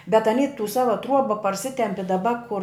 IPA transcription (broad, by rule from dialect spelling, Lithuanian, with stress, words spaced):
bʲɛt ɐˈnʲiː tuː ˈsɑːʋɐ ˈtruɔbɐ pɐrʲˈsʲɪtʲɛmʲpʲɪ dɐˈbɐ kʊr